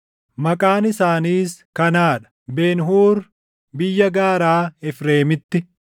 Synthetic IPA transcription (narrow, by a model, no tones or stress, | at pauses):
mɐkʼaːnɪsaːniːskɐnaːᶑɐ̥ | beːnɦuːɾ | bɪjːɐɡaːɾaːɛfɾe̞ːmɪt̪ːɪ